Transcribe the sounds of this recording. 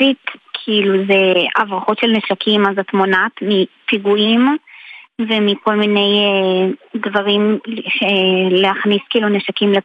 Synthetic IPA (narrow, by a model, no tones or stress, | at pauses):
itkʰiiluzeavʁaχo̞tʃe̞lneʃakʰimazatmonatmipiɡuim | vemiko̞lmine̞jedvaʁimʃeleaχniskiiːluneʃakimle